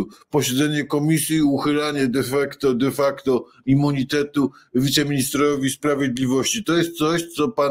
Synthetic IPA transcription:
pɔɕɛd̪zɛɲɛkɔmʲisʲjiːuxɘlaɲɛd̪ɛfakt̪ɔd̪ɛfakt̪ɔ | imːuɲit̪ɛt̪u | vʲit̪sɛmʲiɲist̪ɾɔvʲispɾavʲjed̪lʲivɔɕt͡ɕit̪ɔjɛst̪̚t̪sɔɕt̪sɔpa

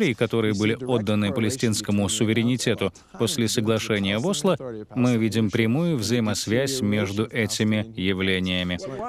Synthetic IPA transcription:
ɾʲɪːkɐt̪o̞ɾɨjəbɨlʲɪo̞d̪ːənɨpəlʲɪsʲtʲinskəmʊsʊvʲɪɾʲɪnʲɪtʲe̞t̪ʊ | po̞sʲlʲɪsəɡlˠɐʂɛnʲɪjəvoslˠəmɨvʲidʲɪmpɾʲɪmujʊvzəjɪmɐsvʲæsʲmʲe̞ʐd̪ʊʔɛtʲɪmʲɪjɪvlʲenʲɪjəmʲɪ

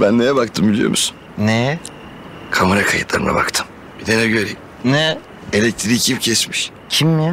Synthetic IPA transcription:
bænːejɛbakt̪ʰɯmbilʲijo̰musun | nɛ | kʰamaɾakʰajɯt̪lˠaɾɯna̰ba̰kt̪ʰɯm | b̥id̪enɛɟøɾiim | nɛ | elʲɛc̚t̪ʰɾicʰimcʰɛsmiʃ | cʰimnɛ

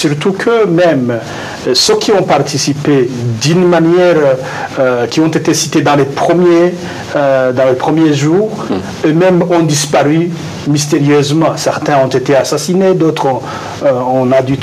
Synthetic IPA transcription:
syʁt̪ukʰømɛm | søkʲʰiɔ̃paʁt̪ʰisiped̪ynmanjɛʁ | økʲiɔ̃t̪et̪esit̪ed̪ɑ̃lepχəmje | ød̪ɑ̃lepχəmjeʒuːʁ | ømɛmɔ̃d̪ispaʁy | mist̪eʁjøzmɑ̃sɛʁt̪ɛ̃ɔ̃t̪et̪easasined̪ot̪χɔ̃ | ɔ̃nad̪yt̪

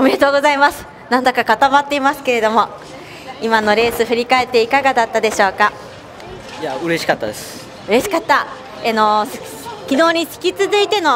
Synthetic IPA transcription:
omeɾe̞t̪o̞ːɡo̞zaimasɨ̥ | nãnd̪okakat̪amat̪ːe̞imasɨ̥ke̞ɾe̞d̪o̞mo̞ | imano̞ɾe̞ːsɨɸɯ̟ɾʲikae̞t̪ːe̞ikaɡad̪at̪ːad̪e̞ɕo̞ːka | jaɯ̟ɾe̞ɕi̥kat̪ːa̰d̪es | ɯ̟ɾe̞ɕi̥kat̪ːa | eno̞s | kʲino̞ːɲ̟isɨ̥kʲit͡sɨzɨit̪e̞no̞

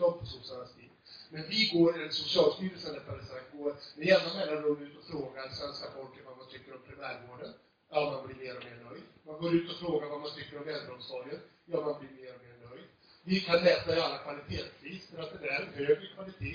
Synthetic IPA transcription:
d̪ɔmpʰɔsɔsanast̪ʰiːd̪mɛnvɪɡoːɾɪɛsʊsɪɑːlst̪yːɾəlsənd̪ɛt̪ːad̪ɛsaɡoːɾmɪjɛːnanmɛlaɾɵmd̪ʉ̟ːt̪ɔfɾoːɡaɾsvɛnskafɔlklɪŋvamant̪ʰʏkːəɾɔmpʰɾɪmæːɾvoːɖən | ɔːmanblɪɾmeːɾɔmeːɳœjd̪manɡoːɾʉ̟ːt̪ɔfɾoːɡaɾvamant̪ʰʏkːəɾɔmvɛnd̪ɾəɔmsɔlɪənjɑːmanblɪɾmeːɾɔmeːɳœjd̪ | vɪkʰanlɛːt̪aɪalːakʰvalɪt̪ʰeːt̪sviːsfœɾat̪̚d̪ɛd̪æɾhøːvɪkʰvalɪt̪ʰeː

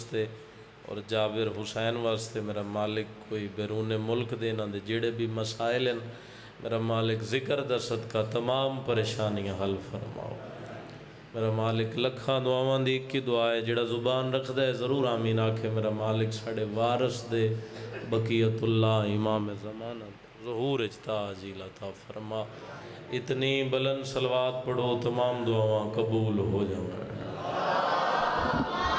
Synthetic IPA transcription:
st̪eː | ɔ̰ːɾd͡ʒaːbɪɾɦʊsɛːnʋaːst̪emeːɾamaːlɪkːoːibɛːɾuːneːmʊlkd̪eːnãːd̪eːd͡ʒeːɽebʱiməsaːɪlɦɛn | mʔḛːɾamaːlɪkzɪkəɾd̪əɾsət̪kat̪əmaːmpəɾeːʃaːnijãːɦəlfʰəɾma̰ːo̰ː | meːɾaːmaːlɪklɐkʰãːd̪ʊaːʋãːd̪iɪkid̪ʊaːɦeːd͡ʒeːɽazʊbaːnɾɐk̪ʰd̪aːɦeːzɐɾuːɾaːmĩːnaːkʰemeːɾamaːlɪksaːɖeʋaːɾəsd̪eːbɐkiːət̪ʊlːaːɪmaːmezɐmaːnad̪ezɐɦuːɾet͡ʃt̪aːziːlɐt̪ʰaːfɐɾmaːɪt̪niːbɐlənsɐlʋaːt̪pɐɽoːt̪ɐmaːmd̪ʊaːʋãːkɐbuːlɦoːd͡ʒãːʋə̰ɽə̃

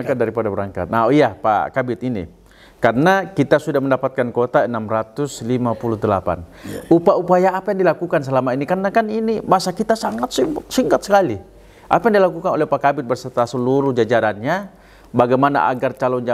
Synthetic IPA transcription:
kadaɾipadabəɾaŋka̰t̪̚naoijapa̰kabɪt̪inḭ | karənakit̪asudahməndapat̪̚kankot̪aənamrat̪ʊslimapuluɦd̪əla̰pa̰nupaupajaːpajaŋdilakukans̬əlamainikarnakaninimasakit̪asaŋat̪simpat̪siŋkat̪̚sə̥kali | ʔa̰pajaŋdilakukanolɛhpakabɪt̪̚bərsərt̪asəluɾuhd͡ʒad͡ʒaɾanɲa | baɡajmana̰ʔa̰ɡart͡ʃalɔnd͡ʒa

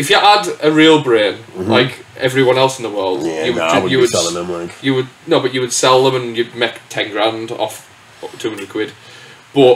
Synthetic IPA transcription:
ɪfjəʔədəɹiːlˠbɹẽːnʔa̰ɪkɛvɹiwɒ̃nɛlˠsɪ̃n̩ðəwɜːlˠd̥jəwd͡ʒwəjəwədʰɛlˠɪ̃ŋðə̃mlaɪkjəwəd̚noʊbʌʔt͡ʃəwəd̥sɛlˠðə̃mə̃njəd̚meɪktʰɛ̃ŋɡɹãndɔ̰f | tʰʉːmɪnikʰw̥ɪd̥b̥ʌʔ

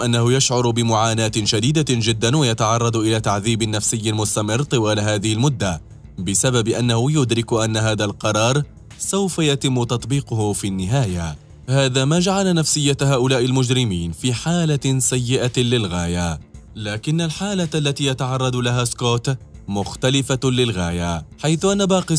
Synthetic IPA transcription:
ʔanːahʊjaʃʕʊɾˤbɪmʊʕaːnaːt̪ɪʃad̪iːd̪ad͡ʒɪd̪ːanwajat̪aʕɑrˤːɑd̪ʔɪlaːt̪aʕðiːbɪnːafsɪjːɪlmʊst̪amɪrːt̪ˤɨwaːlaɦaːðɪhɪlmʊd̪ːa | bɪsababɪʔanːahʊjʊd̪ɾɪkʊʔanːaɦaːðalqɑɾˤɑːɾˤ | sawfajat̪ɪmːʊt̪ɑt̪ˤbiːqʊhʊfinːɪɦaːja | haːðaːmaːd͡ʒaʕalanafsɪjːahaːʔʊlaːʔɪlmʊd͡ʒɾɪmiːnfiːħaːlasajːɪʔalɪlɣaːjalaːkɪnːalħaːlaalːat̪iːjat̪ɑʕɑrˤːɑd̪laɦaːskoːt̪mʊxt̪alɪfalɪlɣaːjaħajθʊʔanːabɑːqɪ

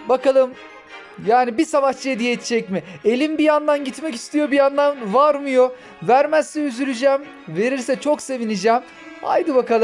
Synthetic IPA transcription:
bakalˠɯm | jaːnibisavaʃd͡ʒijed̪ijeːt̪ʰid͡ʒɛcmɪe̞lʲimbijand̪anɟit̪mɛcist̪ʰijo̞bijand̪anvaɾmɯjo̞ | væɾmæsːɛyzyɾyd͡ʒæːm | ve̞ɾiɾsɛt͡ʃʰo̞kse̞vinid͡ʒɛːm | a̰jd̪ɯbakalˠɯm

